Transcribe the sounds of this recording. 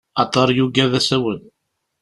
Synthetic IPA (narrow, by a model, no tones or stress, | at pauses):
ɑt̪ˤɑɾˤjuɡæðæsæwən